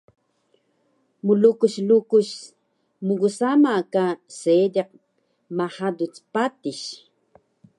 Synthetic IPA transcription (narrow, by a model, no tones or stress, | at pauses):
mulukuɕlukuɕ | muɣusamakasedeq̚ | maħad̪ut͡spat̪iɕ